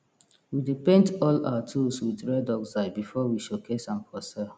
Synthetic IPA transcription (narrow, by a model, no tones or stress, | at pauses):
widepẽntɔla̰watʰulswidɹɛdɔksaɪbifɔwiʃokʰesãnpʰɔsɛ